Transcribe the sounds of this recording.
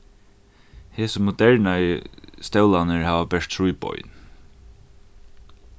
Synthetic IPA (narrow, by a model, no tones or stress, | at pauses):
heːsəmʊd̪ɛɹnajəst̪ɛwlanəɹhaːʋapɛʂt̪t̪ʰɾujpɔ̰ʏn